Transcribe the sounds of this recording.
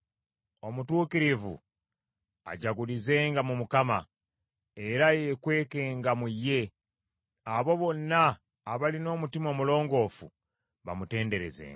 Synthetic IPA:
o̞mutuːkiɾivṵ | a̰ɟaɡulize̞ːŋɡamumukama | e̞ɾajekwe̞ːkeːŋɡamujːe̞ | aβo̞βo̞nːaː | βalino̞ːmutimomulo̞ːŋɡo̞ːfṵ | βa̰mute̞ːnde̞ɾe̞̰zḛːŋɡa

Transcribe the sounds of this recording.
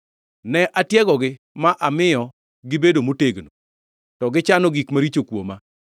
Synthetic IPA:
nɛʔatjɛɡɔɡɪ | maʔamɪjɔ | ɡɪbedomoteɡno | tɔɡɪt͡ʃanɔɡikmaɾit͡ʃokwo̰ma

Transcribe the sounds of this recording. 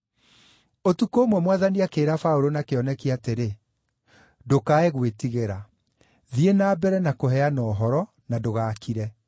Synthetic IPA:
otukoːmwɛmwaðaniakeːɾafaoɾonakeɔnɛkiateɾe | dokaeɣwetiɣeɾa | ðienaːbɛɾɛnakoɦɛanɔːɦɔɾɔ | nadoɣaːkiɾɛ

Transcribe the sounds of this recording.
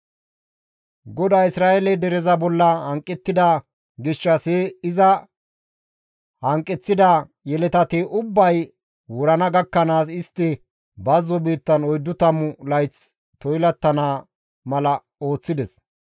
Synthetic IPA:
ɡɔd̪ɐːjɪsɾaːʔɛlɛd̪ɛɾɛzɐbɔlːɐhɐŋkʼːɛt̪ːɪd̪ɐ | ɡɪʃːɐseːɪzɐ | hɐŋkʼːɛt͡sːɪd̪ɐ | jɛlɛt̪ɐt̪eʔʊbːɐj | wʊɾɐnɐɡɐkːɐnaːs̬ɪst̪ːɪ | bɐzːɔbiːt̪ːɐnɔjd̪ːʊt̪ɐmʊlɐjt͡s | t̪ɔjlɐt̪ːɐnaː | mɐlɐ | o̞ːt͡sːɪd̪ɛs

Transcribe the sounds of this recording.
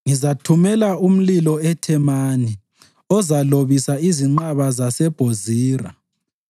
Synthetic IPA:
ŋizatʰumɛlaum̩lilɔɛtʰɛmaːni | ɔzaloβisaiziŋ͡ǃaβazasɛb̥ʱoziːra

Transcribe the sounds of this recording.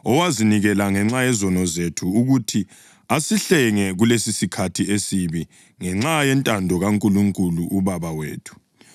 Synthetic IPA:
ɔwaziniɣɛlaŋɛŋ͡ǁajɛzɔnɔzetʰuːɣutʰi | asiɬɛŋɛɣulesisikʰatʰiesiβi | ŋɛŋ͡ǁajɛntʼandʱɔɣaŋkʼuluŋkʼuluʔuβaβawḛːtʰu̥

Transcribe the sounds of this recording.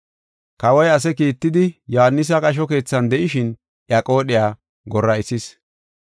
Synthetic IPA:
kɐwɐjɐs̬ɛkiːt̪ːɪd̪ɪjɔhanːɪs̬ɐkʼɐʃ̬ɔke̞ːt͡sːɐnd̪ɛʔɪʃɪn | ʔjakʼo̞ːɗɪjaː | ɡɔrːɐɪsɪs

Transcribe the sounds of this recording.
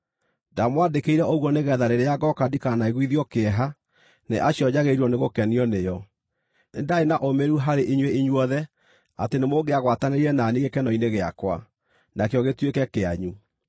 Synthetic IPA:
ndamwandekeiɾɛʔoɣwɔneɣɛðaɾeɾeaɡɔkadikanaiɣwiðiɔkeɛɦa | neʔaɕjɔɲaɣeɾɔneɣokɛniɔnejɔ | nendaenaʔomeɾuɦaɾeʔiɲweiɲwɔðɛ | a̰tenemoɡeaɣwataneɾiɛnaniɣɡekɛnɔineɣea̰kwa̰ | nakeɔɣetwekɛkeaɲu

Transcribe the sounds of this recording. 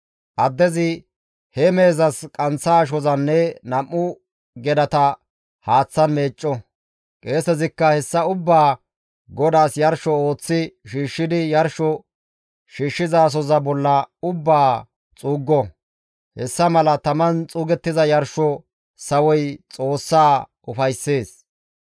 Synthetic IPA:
ʔɐd̪ːɛzɪ | hɛme̞ːzɐskʼɐnt͡sːaːʃ̬ɔzɐnːɛnɐmːʊ | ɡɛd̪ɐt̪ɐ | haːt͡sːɐnme̞ːt͡ʃʼːɔ | kʼe̞ːsɛzɪkːɐhɛsːɐʊbːaː | ɡɔd̪aːsjɐɾʃɔo̞ːt͡sːɪʃiːʃːɪd̪ɪjɐɾʃɔ | ʃiːʃːɪzaːs̬ɔzɐbɔlːɐʊbːaː | t͡sʼuːɡːɔ | hɛsːɐmɐlɐt̪ɐmɐnt͡sʼuːɡɛt̪ːɪzɐjɐɾʃɔ | sɐwɔjt͡sʼo̞ːsːaː | ʊfɐjsːe̞ːs

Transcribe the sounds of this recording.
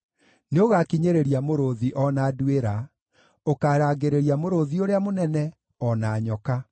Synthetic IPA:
neoɣakiɲeɾeɾiamoɾoðiʔɔnaːdweɾa | okaːɾaːɣeɾeɾiamoɾoðioɾeamonɛnɛ | ɔnaːɲɔka

